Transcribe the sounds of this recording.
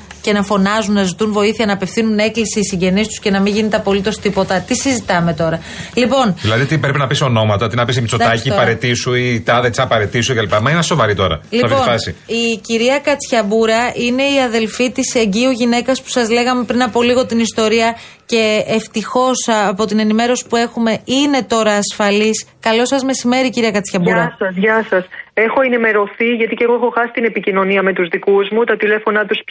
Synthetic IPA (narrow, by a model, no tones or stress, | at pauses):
ce̞nɐfo̞nɐzunnɐzit̪unvo̞iθiɐnɐːpe̞fθinune̞klisiːsiɲɟe̞nist̪u̥sce̞nɐmiɲʝine̞t̪eɐpo̞lit̪o̞st̪ipo̞t̪ɐt̪isizit̪ɐme̞t̪o̞ɾɐ | lipo̞nðilɐðiot̪ipɾepinɐpisono̞mɐt̪ot̪inɐpis̬imit͡sot̪ɐcipɐɾet̪isuit̪ɐðet͡sɐpɐɾe̞t̪isucɐlipɐmɐinɐso̞vɐɾit̪o̞ɾɐ̰liɐvoɐsḭiciɾiɐkɐt͡sçɐbuɾɐine̞iɐðe̞lfit̪ise̞ɲɟiuʝine̞kɐspu̥sɐzle̞ɣɐme̞pɾinɐpo̞liɣo̞t̪inist̪o̞ɾiɐ | ce̞ːft̪ixo̞sɐpo̞t̪ine̞nime̞ɾo̞si̥pue̞xume̞ine̞t̪o̞ɾɐːsfɐliskɐlo̞sɐzme̞sime̞ɾiciɾiɐkɐt͡sçɐbuɾɐsɐzʝɐsɐse̞xo̞e̞nime̞ɾo̞θiʝɐt̪iceɣoexo̞xɐsi̥t̪ine̞picino̞niɐme̞t̪uzðikuzmut̪ɐt̪ile̞fo̞nɐt̪us